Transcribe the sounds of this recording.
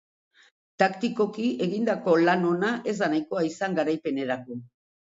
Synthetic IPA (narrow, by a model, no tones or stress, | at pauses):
t̪akt̪iko̞kiʔe̞ɣind̪ako̞lano̞naʔe̞zd̪anajko̞aisaŋɡaɾajpe̞ne̞ɾako̞